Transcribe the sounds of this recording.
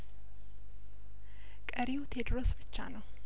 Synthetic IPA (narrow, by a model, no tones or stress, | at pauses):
kʼəɾiwt̪ʰed̪ɾosbɨt͡ʃːa̰nəw